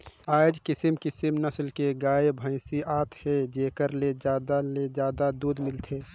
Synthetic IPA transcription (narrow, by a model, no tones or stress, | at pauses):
aːd͡ʒkɪsəmkɪsəmnəslkeɡaːebʱə̃ɪsiʔaːt̪ʰhed͡ʒeːkəɾled͡ʒaːd̪aled͡ʒjaːd̪ad̪uːd̪mɪlt̪ʰeː